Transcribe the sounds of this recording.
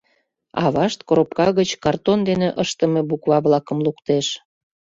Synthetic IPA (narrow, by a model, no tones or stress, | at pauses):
ɑ̰βɑʃt̪koɾopkɑɣət͡ɕkɑrt̪ond̪eneʔəʃt̪əmebukβɑβlɑkəmlukt̪eʃ